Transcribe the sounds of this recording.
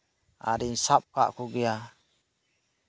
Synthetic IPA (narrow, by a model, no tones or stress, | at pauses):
a̰ɾinsap̚ka̰ʔkuɡɛja